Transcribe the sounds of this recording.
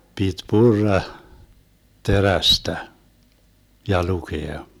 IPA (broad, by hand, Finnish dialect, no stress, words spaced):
pit purːɑ teræstæ jɑ lukeɑ